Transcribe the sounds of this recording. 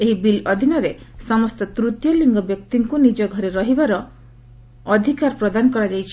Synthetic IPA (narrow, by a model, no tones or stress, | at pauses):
eɦibilɔd̪ʱinɔɾesɔmɔst̪ɔt̪ɾut̪jɔliŋɡɔbjɔkt̪iŋkunid͡ʒɔɡʱɔɾeɾɔɦibaɾɔː | d̪ʱikaɾpɾɔd̪anɔkɔɾad͡ʒajt͡ʃʰi̥